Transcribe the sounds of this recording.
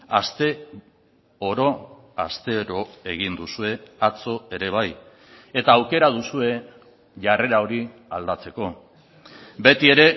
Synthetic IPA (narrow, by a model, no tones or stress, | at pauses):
ast̪e̞ | oɾo̞ | a̰st̪e̞ɾoe̞ɣ̞ind̪usue̞at͡so̞e̞ɾe̞β̞aj | e̞t̪aːwke̞ɾað̞usue̞ | ʝare̞ɾao̞ɾiald̪at͡se̞ko̞ | be̞t̪ie̞ɾe̞